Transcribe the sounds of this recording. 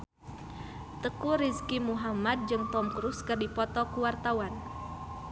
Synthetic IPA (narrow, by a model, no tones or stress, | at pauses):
t̪əkuɾiskimuɦamad̪̚d͡ʒɨŋt̪ɔmkɾuskɨrdipɔt̪ɔkuwart̪awan